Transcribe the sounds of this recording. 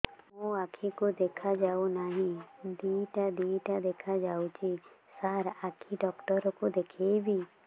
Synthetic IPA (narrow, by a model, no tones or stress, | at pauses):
mũakʰikod̪ekʰad͡ʒaunaɦĩd̪iʈad̪iʈad̪ekʰad͡ʒaut͡ʃi | saɾakʰiɖɔkʈɔɾɔkod̪ekʰejbʱi